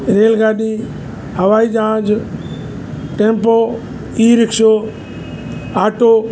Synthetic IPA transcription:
ɾeːlɡaːɗiː | həʋaːiːd͡ʒãːd͡ʒ | ʈẽːmpoː | iːɾɪkʃoː | aːʈoː

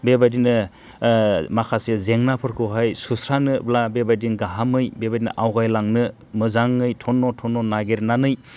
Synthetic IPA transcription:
bebadinɯ | makʰasezeŋnapʰɯɾkʰɯɦajsusɾanɯblabebajdinɡaɦamɯjbebadinɯ̰ʔawɡajlaŋnɯ | mɯzaŋːɯjtʰɔnːɔtʰɔnːɔnaɡeɾnanɯj

